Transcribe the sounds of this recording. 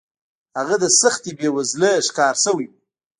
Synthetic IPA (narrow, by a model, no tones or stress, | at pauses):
aʁadasɨχtʰibewazlɨʂkʰaːrsɨwi